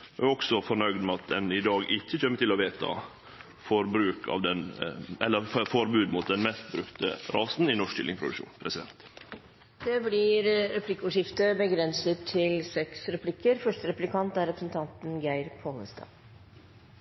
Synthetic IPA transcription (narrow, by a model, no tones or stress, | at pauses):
ɔksɔfɔɾɳœʏɡd̪mɛɑt̪̚d̪ɛnɪd̪ɑːɡɪçːəçɛmːət̪ʰɪlɔʋeːt̪ʰɑ̰ | fɔɾbɾʉːkʰɑ̰ʋd̪ɛnɛlːəɾffɔɾbʉːd̪mʊt̪̚d̪ɛnmɛst̪̚bɾʉkt̪ə̰ɾɑːsn̩ɪnɔʂt̪ɪ̰lɪ̰ŋpʰɾʊd̪ʉ̰kʂṵːnpʰɾɛsɪd̪ɛ̰nt̪ | d̪̥ɛblɪɾɾɛpʰlɪkːəuːʂɪft̪əbəɡɾɛnsət̪ʰːɪlsɛksɾɛpʰlɪkːəɾfœʂʈəɾɛplɪkʰɑnt̪æɾɛpɾəsənt̪ʰɑnt̪n̩ɡæɪɾpʰoːnəst̪ɑ̰ː